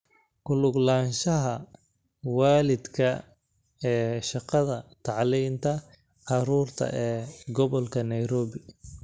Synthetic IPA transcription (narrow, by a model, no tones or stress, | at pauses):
kʊlʊɡlaːnʃɐɦɐ | waːlɪd̪kʰɐ | ɛːʃɑqɑðɐt̪ʰɑʕliːmt̪ʰɐ | ʕɑɾuːrt̪ʰɐ̰ʔɛːɡɔβɔlkʰɐnɐjɾɔːβɪ